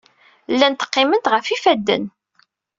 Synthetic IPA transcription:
lːænt̪ə̥qːɪmənt̪ʁəfifæd̪ːə̰n

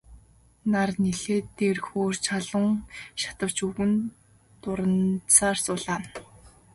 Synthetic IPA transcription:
narneɮeːt̪ːerxoːr̥t͡ɕʰaɮə̆ŋʃḁt̪ə̆w̥t͡ɕuɣɘ̆n | t̪ʊɾə̆nt͡saːrsʊɮaːn

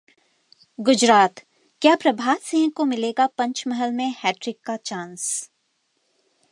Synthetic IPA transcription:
ɡʊd͡ʒɾaːt̪ | kjaːpɾɐbʱaːt̪sɪ̃ːŋɡkomɪleːɡapɐ̃ɲt͡ʃmɐɦəlmẽhɛːʈɾɪkːat͡ʃãːns

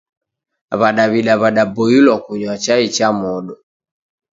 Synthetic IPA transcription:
βaɗaβiɗaβaɗabɔilwakuɲwat͡ʃait͡ʃamɔɗɔ

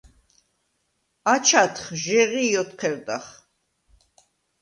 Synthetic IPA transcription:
at͡ʃʰat̪ʰχʒɛʁijɔt̪qʰɛɾd̪aχ

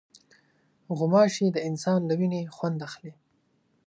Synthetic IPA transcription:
ɣʊmɑʃed̪əɪnsɑnləwinexwand̪axle

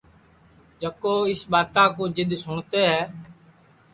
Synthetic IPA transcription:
d͡ʒəkoːɪsɓaːt̪ãːkõːd͡ʒɪd̪sʊɳt̪eːɦɛː

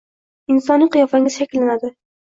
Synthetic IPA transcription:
ɪnsɒnːɪqɨjɒfaŋɪz̥ʃakʲɪlːanad̪ɪ

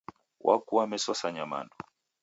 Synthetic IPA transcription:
wʔa̰kuamɛsɔsaɲama̰ndɔ

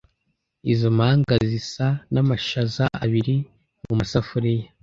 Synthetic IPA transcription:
izomaŋɡazisanamaʃazaaβiɾi | mumasafuɾija

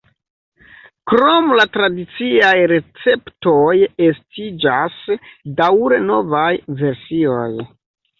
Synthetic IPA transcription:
kɾo̞mlatɾadit͡siajɾe̞t͡se̞ptojestid͡ʒasdawɾeno̞vajve̞ɾsio̞̰j

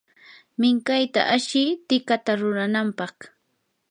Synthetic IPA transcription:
mɪŋkajt̪a̰ʔaʃɪt̪ɪkat̪aɾʊɾanampɑχ

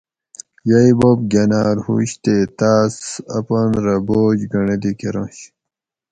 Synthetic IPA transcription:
jɐjbob̚ɡʲɐnaːɾhṵɕt̪et̪aːsɐpɐnɾɐboːd͡ʑɡɐɳed̪ikeɾõːɕ

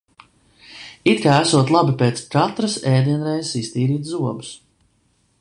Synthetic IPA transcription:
it̪kaːæsuɔt̪lˠabipeːt̪skat̪ɾasɛːd̪iɛnɾɛjzsist̪iːɾiːt̪zuɔbus

